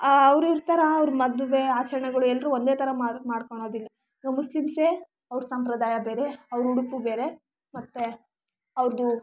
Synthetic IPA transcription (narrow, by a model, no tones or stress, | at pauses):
ʋɾiɾt̪ɐɾɐːʋɾumɐd̪uʋe̞aːt͡ʃɐɾɐɳɐɡɐɭuɛlɾuond̪eːt̪ʰɐɾɐmamaːɽkoɳ̃o̞ːd̪ilːɐ | nɐmuslimse | ɐʋɾusɐmpɾɐd̪aːjɐbeːɾeɐʋɾuɽupubeːɾe̞ | mɐt̪ːe | ɐʋɾd̪u